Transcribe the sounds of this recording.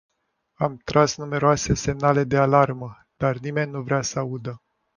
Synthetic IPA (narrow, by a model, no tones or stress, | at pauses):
amt̪ɾasnume̞ɾoase̞se̞mnale̞d̪e̞alarmə | d̪̥arnime̞nʲːuvɾeasəaud̪ə